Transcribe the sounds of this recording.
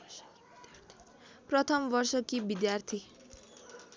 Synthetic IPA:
prʌt̪ʰʌmbʌrsʌkibid̪jart̪ʰi

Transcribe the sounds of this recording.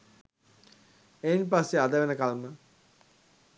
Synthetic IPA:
einpasːead̪əʋenəkalmə

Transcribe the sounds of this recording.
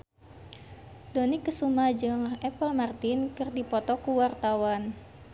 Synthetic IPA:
donikːəsumad͡ʒɨŋɛpəlmart̪inkɨrdipɔt̪ɔkuwart̪awan

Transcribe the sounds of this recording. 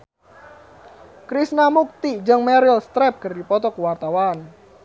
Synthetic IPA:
kɾisnamuk̚t̪id͡ʒəŋmɛɾilst̪ɾɛp̚kərdipɔt̪ɔkuwart̪awan

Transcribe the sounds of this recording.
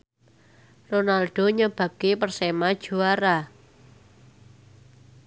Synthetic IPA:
ronalɖ̥o̤ɲəb̥ä̤bɡepərsemad̥ʒ̥ṳaɾa

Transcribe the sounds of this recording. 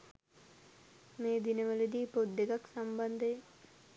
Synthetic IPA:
meːd̪inəʋələd̪iːpod̪ːeɡaksamband̪əje

